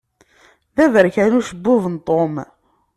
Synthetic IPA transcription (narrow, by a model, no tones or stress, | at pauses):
ðævəɾkænuʃəbːʊvənt̪ˤom